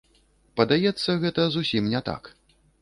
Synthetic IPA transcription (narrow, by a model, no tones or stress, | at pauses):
pɐd̪ajɛt̪sːɐɣɛt̪ɐzusʲimnʲɛt̪a̰k